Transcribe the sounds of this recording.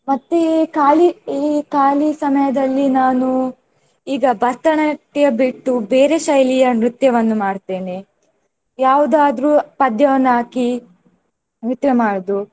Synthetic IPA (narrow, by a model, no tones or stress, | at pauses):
mɐt̪ːekaːliiːkaːlisɐmɐjɐd̪ɐlːinaːnu | iːɡɐbɐst̪ɐɳɐʈːjɐbiʈːubeːɾe̞ʃɐjlijɐnɾut̪jɐʋɐnːumaːɽt̪e̞ːne | jaːʋud̪aːd̪ɾuːpɐd̪jɐʋɐnːaːki | nɾut̪jɐmaːɽd̪u